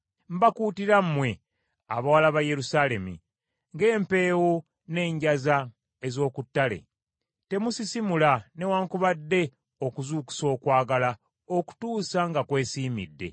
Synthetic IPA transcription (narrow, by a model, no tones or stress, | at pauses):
m̩bakuːtiɾammwe̞ | a̰βawalaβaje̞ɾusale̞mḭ | ŋɡe̞ːmpe̞ːwo | ne̞ːɲɟaza | ezo̞ːkutːale̞̰ | te̞musisimulane̞waːŋkuβadːe̞ | okuzuːku̥so̞ːkwaːɡala | oku̥tuːsaŋɡakwe̞ːsiːmidːe̞̰